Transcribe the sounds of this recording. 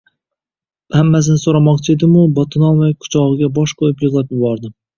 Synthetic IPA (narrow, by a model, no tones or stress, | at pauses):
hamːas̬ɪnɪsoɾamɒqt͡ʃʰɪe̞d̪ɪmʊbɒt̪ʰɪnɒlˠmajkʰʊ̥t͡ʃʰɒʁɨɡʲabɒʃqʰojɪpjʊɨʁlˠapjɪbɒɾd̪ɪm